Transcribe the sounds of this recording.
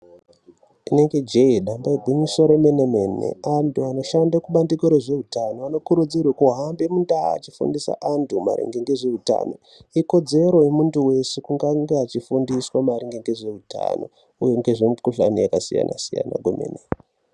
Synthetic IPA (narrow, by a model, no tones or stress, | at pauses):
ine̞ŋɡe̞d͡ʒeiɗambaiɡʱuɲusoɾomenemenḛantuano̞ʃandakuɓandikoɾeʐe̞ɦutano̞ano̞kuɾud͡zirwakuɦambe̞munda̰ːt͡ʃifṵndisa̰ʔantuma̰ɾḛŋɡe̞ŋɡe̞ʐe̞uta̰no̞̰ | iko̞d͡ze̞ɾo̞jemuntuwe̞sekuŋɡaŋɡeat͡ʃifundiswamaɾiŋɡeŋɡe̞ʐe̞ɦutʰa̰no̞̰ | ujo̞ŋɡe̞ʐemupkuɬa̰nijakasḭja̰nʔa̰sija̰na̰ɡʱomḛne